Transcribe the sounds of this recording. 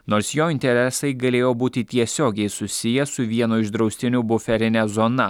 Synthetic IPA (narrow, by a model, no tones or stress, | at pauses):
noːɾsjoːɪnʲt̪ʲɛɾʲɛsɐɪɡɐlʲeːjoːbuːt̪ʲɪt̪ʲiɛsʲoːɡʲɛɪsʊsʲɪjɛsʊʋʲiɛnoːɪʒd̪ɾɒʊsʲt̪ʲɪnʲʊbʊfʲɛɾʲɪnʲɛzɔːnɐ